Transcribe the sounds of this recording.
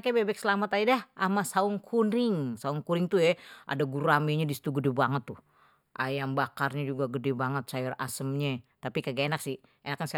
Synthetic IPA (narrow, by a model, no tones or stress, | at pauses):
kabebɛk̚səlamat̪aidahamasauŋkʰunɪŋsauŋkuɾɪŋt̪ujɛʔa̰daɡuɾamiɲadisi̥t̪uɡədɛbaŋət̪ːu | ʔajaŋbakarɲad͡ʒuɡaɡədɛbaŋət̪̚sajʊra̰səmɲɛt̪apikaɡaenak̚sɪ | enakːans